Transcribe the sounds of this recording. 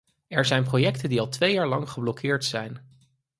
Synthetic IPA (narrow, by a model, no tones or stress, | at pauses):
ɛɹzɛjnprojɛktəndiɑlˠtʋejaːɹlɑŋχəblɔkʰɪːɹtsɛjn